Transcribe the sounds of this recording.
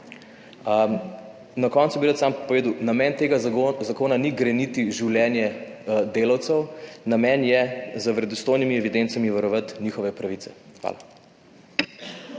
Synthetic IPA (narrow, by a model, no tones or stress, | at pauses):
nɐkɔntsubiɾət̪sampoʋeːd̪əwnamɛnt̪eːɡazakoːnaniɡɾɛnit̪iʒiwljɛːnjɛd̪eːlawt̪səwnamɛnjɛzəʋɾɛd̪ɔst̪oːjnimiɛʋid̪ent̪samiʋɐɾɔʋat̪nixɔʋɛpɾaʋit̪sɛ̥xʋa̰ːla̰